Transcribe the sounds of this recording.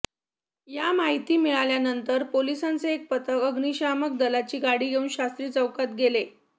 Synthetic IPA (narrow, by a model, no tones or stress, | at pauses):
jamaɦit̪iːmiɭaljanənt̪əɾpolisant͡seːk̚pət̪əkəɡniɕamək̚d̪əlat͡ɕiːɡaɽiːɡeuːnɕast̪ɾiːt͡səwkat̪ɡele